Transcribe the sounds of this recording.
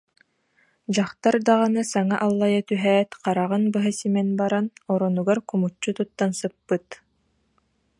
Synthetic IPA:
d͡ʑaχt̪aɾd̪aʁanɯsaŋaʔalˠːajat̪yɦɛːt̪qɑɾaʁɯnbɯɦasimɛnbaɾanɔɾɔnuɡaɾkumut͡ɕːut̪ut̪ːansɯpːɯt̪

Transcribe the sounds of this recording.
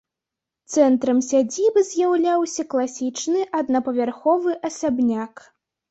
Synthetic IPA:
t̪sɛnt̪ɾɐmsʲad͡zʲibɨzʲjawlʲawsʲɐklˠasʲit͡ʂnɨʔɐd̪nɐpɐvʲarxɔvɨʔɐsabnʲak

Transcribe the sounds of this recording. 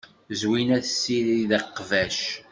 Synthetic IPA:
zwinæθsːiɾðəqːvæʃ

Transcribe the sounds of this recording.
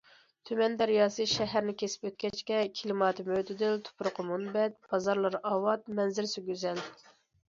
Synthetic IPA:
t̪ʰymɛnd̪æɾjɑːsɨʃɛɦæɾnɪkʲʰesɪ̥pøt̪̚kʲɛt͡ʃkʲɛkʲʰilɨmɑːt̪ʰɨmøt̪ʰɪd̪ɪlt̪ʰʊ̥pɾʊqʰəmunbɛt̪̚b̥ɑzɑɾlˠɑɾɑːwɑt̪̚mɛnzɪɾsɪɡʲøzɛl

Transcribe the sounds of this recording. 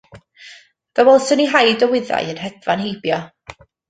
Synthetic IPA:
ðəwɛlˠsəniɦajdɔwɪða̰jənɦɛdvanhejbjɔ

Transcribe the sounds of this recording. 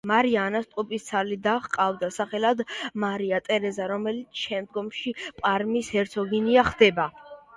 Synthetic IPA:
maɾiaːnast̪ʼupʼist̪sʰalid̪aχqʼavd̪asaχɛlad̪maɾiat̪ʼɛɾɛzaɾɔmɛlit̪sʰʃɛmd̪̚ɡɔmʃipʼaɾmishɛɾt̪sʰɔɡiniaχd̪ɛba

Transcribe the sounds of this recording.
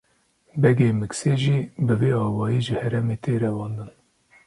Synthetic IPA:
bɛɡeːmɨkseːʒiːbɨveːɑːwɑːjiːʒɨhɛɾɛmeːt̪ʰeːɾɛwɑːnd̪ɨn

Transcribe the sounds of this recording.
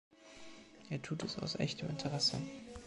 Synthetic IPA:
ʔeːɐtʰuːtɛsaʊsʔɛ̰çtəmɪntʰəʁɛsə̰

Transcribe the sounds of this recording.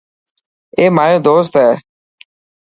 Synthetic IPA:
eːmaːjõːd̪oːst̪ɦɛː

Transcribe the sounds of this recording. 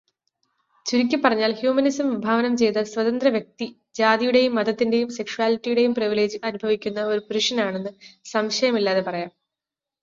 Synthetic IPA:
t͡ɕuɾikʲːɨpːɐrɐɲːaːlhjuːmɐnisɐmʋibʱaːʋɐnɐmt͡ɕe̞jt̪ɐswɐðɐnd̪rɐʋjɐk̚t̪i | d͡ʑaːðijuɽe̞jumːɐd̪ɐt̪ːinde̞jumse̞kʂuaːlitːijuɽe̞jumpriʋile̞ːd͡ʑɨʔɐnubʱɐʋikʲːunːɐo̞ɾupuɾuʂɐnaːɳe̞nːɨsɐmɕɐjɐmilːaːðepɐrɐjaːm

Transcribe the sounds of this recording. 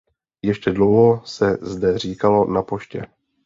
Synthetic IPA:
jɛʃcɛdlo̞wɦo̞sɛzdɛr̝iːkalo̞napo̞ʃcɛ̰

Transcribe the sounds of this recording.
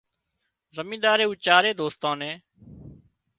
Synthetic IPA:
zəmĩːd̪aːɾeːuːt͡ʃaːɾeːd̪oːst̪ãːnẽː

